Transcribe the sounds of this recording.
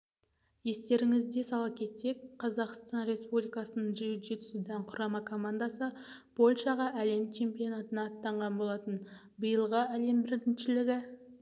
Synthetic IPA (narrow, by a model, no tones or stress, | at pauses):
je̞st̪e̞ɾɪŋɪzd̪e̞sɑlˠɑpkʲʰe̞t̪ːe̞kqʰɑzɑqst̪ɑnɾe̞spublijkɑsənəɴʒijud̪et̪ʰʏ̥sɪd̪æɴqʰʊɾɑmɑkʰo̞mand̪asə | b̥o̞lʲˠʃɑʁɑʔæle̞mt͡ʃʰe̞mpijo̞nat̪ənɑːt̪ːɑɴʁɑnbo̞lˠɑt̪ən | bəjəlˠʁəæle̞mbɪɾt̪ɪnʃɪlɪɡʲɪ